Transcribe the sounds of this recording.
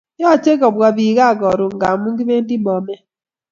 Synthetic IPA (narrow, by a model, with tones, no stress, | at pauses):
jɔ˦˨t͡ʃe˦kɔ˨bwa˨βi˨ɣa˦˨ɡɔ˨ɾu˨ŋɡa˨mu˦ŋɡi˦βe˦ndi˦mɔ˨mɛ˦